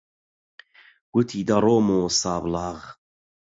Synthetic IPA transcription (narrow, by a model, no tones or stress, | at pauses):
ɡ̥ut̪ʰiːd̪aɾoːmoːsaːblaːɣ